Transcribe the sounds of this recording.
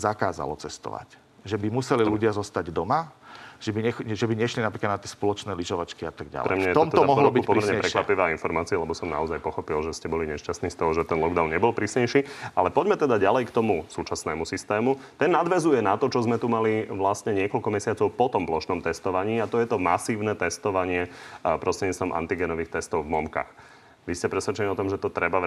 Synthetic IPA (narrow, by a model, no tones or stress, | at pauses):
zakaːza̰lɔ̰t͡sɛst̪ɔ̰ʋa̰c | ʒɛbimusɛliluɟɪazɔst̪aɟd̪ɔmaʒɛbiɲɛxʒɛbiɲɛʃlinapɾiːkad̪nat̪ɪɛspɔlɔt͡ʃnɛːliʒɔʋat͡ʃkiat̪aɡ̚ɟa̰lɾ̰ɛɛmɲajɛt̪ɔɔmt̪ɛɔamɔɦlɾɔbicpɔmɛɾɲɛɲɾɛkʋapiʋaːinfɔɾmaːt͡sialɛbɔsɔmna̰ɔzajpɔxɔpilʒɛscɛbɔliɲɛʃcast̪niːst̪ɔɦɔʒɛt̪ɛnlɔɡd̪aʊnɲɛbɔlpɾiːsɲɛjʃiːalɛpɔɟmɛt̪ɛd̪aɟalɛjkt̪ɔmusuːt͡ʃasnɛːmusist̪ɛːmut̪ɛnːad̪ʋɛzujɛnat̪ɔt͡ʃɔzmɛt̪umaliʋlasɲɛɲɪɛkɔlkɔmɛsɪat͡sɔʊpɔt̪ɔmplɔʃnɔmt̪ɛst̪ɔʋaɲiːat̪ɔjɛt̪ɔmasiːʊnɛt̪ɛst̪ɔʋaɲɪɛpɾɔst̪ɾɛɟɲiːt͡st̪ʋɔmʔa̰nt̪iɡɛːnɔʋiːxt̪ɛst̪ɔʊvmɔmka̰x | ʋiscɛpɾɛsʋɛt͡ʃɛniɔt̪ɔmʒɛt̪ɔt̪ɾɛba